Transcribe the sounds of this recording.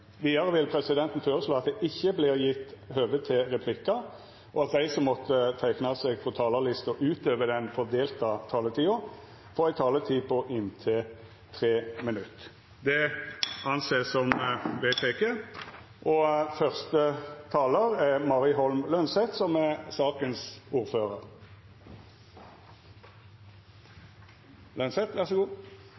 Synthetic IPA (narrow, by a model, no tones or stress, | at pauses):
ʋiːd̪ɑʁəʋɪlpʰɾɛsɪd̪ɛnt̪n̩føːɾəsloːɑt̪̚d̪ɛʔɪçːəblɪʁjɪt̪ːɦøːʋət̪ʰɪʁɛpʰlɪkɑ | ʔɔɑt̪̚d̪æɪsɔmːɔt̪ːət̪ʰæɪknɑsɛɡfɔt̪ʰɑːləlɪst̪ɔʔʉːt̪øːʋəd̪ɛnfɔʁd̪eːlt̪ɑt̪ʰɑːlət̪ʰiːʊ | foːɾæɪt̪ʰɑːlət̪ʰiːpʰɔʔɪnt̪ʰɪl | t̪ʰʁeːmɪnʉt̪ː | d̪ɛɑnseːsɔmʋeːt̪ʰeːkʰeː | ʔɔfœʁst̪ət̪ʰɑːləʁɛʁmɑʁɪɦɔlmlœnsɛt̪sɔmɛsɑːkənsuːʁføːʁəʁ | lœnsɛt̪ʋæʁsəɡuː